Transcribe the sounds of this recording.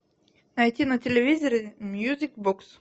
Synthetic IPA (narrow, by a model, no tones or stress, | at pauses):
nɐjtʲinətʲɪlʲɪvʲizʲəɾʲɪmʲjuzʲikboks